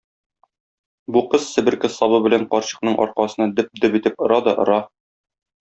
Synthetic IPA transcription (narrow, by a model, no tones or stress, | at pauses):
buqɤzsɘ̆bɘ̆ɾkɘ̆sɒβɤbɘ̆læɴqɒɾɕɤ̥̆qnɤɴʔɒ̰ɾqɑsɤ̆nɑd̪ɘp̚d̪ɘpit̪ɘpŏɾɑd̪ɒʔŏɾɑ